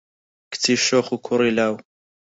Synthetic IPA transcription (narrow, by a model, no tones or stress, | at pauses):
kt͡sʰiʃoχukʰʊɾilaːw